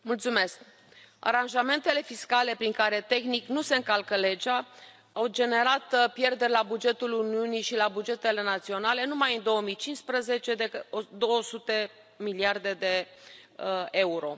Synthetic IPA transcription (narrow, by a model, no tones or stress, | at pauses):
mult̪sume̞sk | a̰ɾanʒame̞nt̪e̞le̞fiskale̞pɾiŋkaɾe̞t̪e̞xniknuse̞ɨŋkalkəle̞d͡ʒa | awd͡ʒe̞ne̞ɾat̪pje̞rd̪e̞ɾʲlabud͡ʒe̞t̪uluniunijʃilabud͡ʒe̞t̪e̞le̞nat̪sio̞nale̞numajɨnd̪o̞əmijt͡ʃint̪spɾəze̞t͡ʃe̞d̪ekəod̪o̞wəsut̪e̞ | miliard̪e̞d̪e̞ | e̞uɾo̞